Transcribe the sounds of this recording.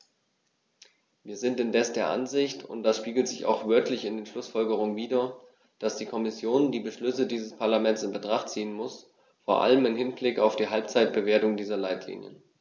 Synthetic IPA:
viːɐzɪntɪndɛsd̥eːɐʔa̰nzɪçtʰʊ̰nt̚d̥asʃpiːɡl̩tz̥ɪça̰ʊxv̥œɐtʰlɪçɪndeːnʃlʊsfɔlɡəʁ̞ʊŋəviːdɐ | d̥asd̥iːkʰɔmɪsjoːndiːbəʃlʏsədiːzəspʰaɐlamɛntsɪnbətʁ̥aχtt͡siːənmʊs | foːɐʔa̰ləmɪnhɪnblɪkaʊfd̥iːɦalp̚t͡saɪt̚b̥əveːɐtʊŋdiːzɐlaɪtʰlḭːnjə̰

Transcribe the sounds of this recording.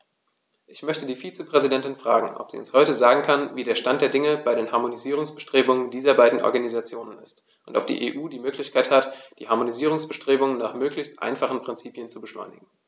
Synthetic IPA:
ʔɪçmœçtədiːfiːt͡səpʁ̥ɛzidɛntɪnfʁ̥a̰ːɡŋ̩ʔɔ̰pz̥ḭːʊnshɔʏtəzaːɡŋ̩kʰanviːdeːɐʃtantd̥eːɐdɪŋəb̥aɪɾeːnhaɐmoniziːʁ̞ʊŋsb̥əʃtʁ̥eːbʊŋəndiːzɐbaɪdn̩ʔɔ̰ɐɡanizat͡sjoːnənɪst | ʔʊntɔ̰p̚d̥ḭːʔḛːʔuːdiːmøːklɪçkʰaɪthatd̥iːhaɐmoniziːʁ̞ʊŋsb̥əʃtʁ̥eːbʊŋənnaːχmøːklɪçstʔa̰ɪnfaχn̩pʁ̥ɪnt͡siːpjənt͡subəʃlɔ̰ʏnɪ̰ɡŋ̩

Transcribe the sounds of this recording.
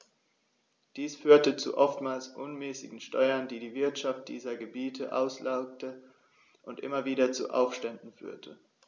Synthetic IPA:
d̥iːsfyːɐtət͡sṵʔɔftmaːlsʔʊnmɛːsɪ̰ɡŋ̩ʃtɔʏɐndiːdiːvɪɐtʃaft̚d̥ḭːzɐɡəbiːtʰəʔa̰ʊslʔaʊk̚tə | ʔʊntʔɪ̰mɐviːdɐt͡sṵʔa̰ʊfʃtɛndn̩fy̰ːɐtʰə

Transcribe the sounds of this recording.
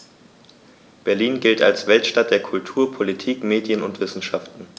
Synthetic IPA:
b̥ɛɐliːnɡɪlta̰lsv̥ɛltʃtat̚d̥eːɐkʰʊltʰuːɐpʰolitʰiːkmeːdjənʊntv̥ɪsn̩ʃaftn̩

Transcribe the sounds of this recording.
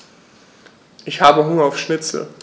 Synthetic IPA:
ʔɪçhaːbəɦʊŋɐaʊfʃnɪt͡sl̩

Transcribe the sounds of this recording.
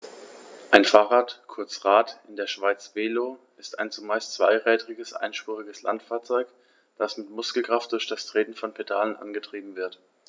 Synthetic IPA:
ʔaɪnfaːʁaːtkʰʊɐt͡sʁaːtɪndeːɐʃv̥aɪt͡sv̥eːloː | ɪstaɪnt͡sumaɪstt͡sv̥a̰ɪʁɛːdʁɪɡəsʔa̰ɪnʃpʁuːʁɪɡəsla̰ntfaːɐt͡sɔʏk | d̥asmɪtmʊskl̩kʁ̥aft̚d̥ʊɐçd̥astʁ̥eːtn̩fɔnpʰedaːlənʔa̰nɡətʁ̥iːbm̩vɪɐt

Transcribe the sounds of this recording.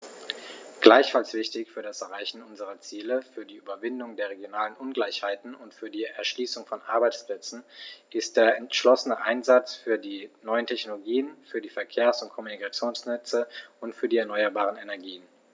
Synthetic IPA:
ɡ̥laɪçfalsv̥ɪçtɪçfyːɐdasɛɐʁ̞aɪçn̩ʔʊnzəʁɐt͡siːləfyːɐdiːʔyːbɐvɪndʊŋdeːɐʁeɡjonaːlənʔʊnɡlaɪçhaɪtn̩ʊntfyːɐdiːɛɐʃliːsʊŋfɔnʔa̰ɐbaɪt͡splɛt͡sn̩ʔɪst̚d̥eːɐɛntʃlɔsənəʔaɪnzat͡sfyːɐdiːnɔʏəntʰɛçnoloɡiːənfyːɐdiːfɛɐkʰeːɐsʊnt̚kʰɔmunikat͡sjoːnsnɛt͡səʔʊntfyːɐdiːɛɐnɔʏɐbaːʁ̞ənenɛɐɡiːən

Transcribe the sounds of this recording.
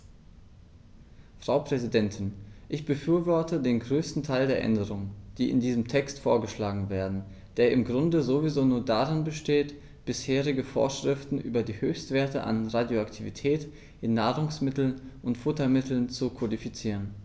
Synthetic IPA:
fʁ̥aʊpʁ̥ɛzidɛntʰɪnʔɪçb̥əfyːɐvɔɐtədeːnɡʁøːstn̩tʰaɪldeːɐʔɛ̰ndəʁʊŋəd̥iːʔɪ̰ndiːzəmtʰɛkstfoːɐɡəʃlaːɡŋ̩veːɐdn̩ | d̥eːɐʔɪmɡʁʊndəzovizoːnuːɐdaʁɪnbəʃteːt | b̥ɪsheːʁɪɡəfo̰ːɐʃʁ̥ɪftn̩ʔyːbɐdiːhøːçstv̥eːɐtəʔa̰nʁadjoaktʰivitʰɛːt | ʔɪnːaːʁʊŋsmɪtl̩nʔʊntfʊtɐmɪtl̩nt͡sukʰodifit͡siːʁən

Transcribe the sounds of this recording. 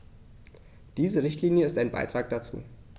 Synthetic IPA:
d̥iːzəʁɪçtʰliːnjəɪstaɪnba̰ɪtʁ̥aːk̚d̥at͡sṵː

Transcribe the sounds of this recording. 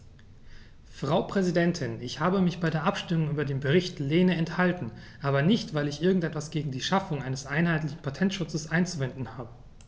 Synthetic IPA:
fʁ̥aʊpʁ̥ɛzidɛntʰɪnɪçhaːbəmɪçb̥aɪɾeːɐʔapʃtɪmʊŋʔyːbɐdeːnbəʁ̞ɪçtleːnəɛnthaltn̩ʔaːbɐnɪçtv̥aɪlɪçʔɪɐɡŋ̩tʔɛtv̥asɡ̥eːɡŋ̩diːʃafʊŋʔaɪnəsʔaɪnhaɪtlɪçn̩pʰatʰɛntʃʊt͡səsʔaɪnt͡suvɛndn̩haːbə

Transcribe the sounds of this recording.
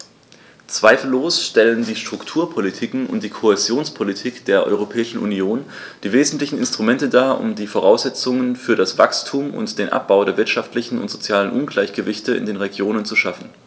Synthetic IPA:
t͡sv̥aɪfl̩ːoːsʃtɛləndiːʃtʁ̥ʊktʰuːɐpʰolitʰikŋ̩ʊ̰ntd̥iːkʰohezjoːnspʰolitʰiːkd̥eːɐʔɔ̰ʏʁ̞opʰɛːɪʃn̩ʔṵnioːn | d̥iːveːzn̩tlɪçn̩ɪ̰nstʁ̥umɛntədaːʔʊ̰mdiːfoʁ̞aʊsz̥ɛt͡sʊŋənfyːɐɾasv̥a̰kstʰuːmʔʊ̰ntd̥eːnʔa̰p̚b̥aʊdeːɐvɪɐtʃaftlɪçn̩ʊ̰ntz̥ot͡sjaːlənʔʊnɡlaɪçɡ̥əvɪçtəɪ̰ndeːnʁeɡjoːnənt͡suʃafn̩

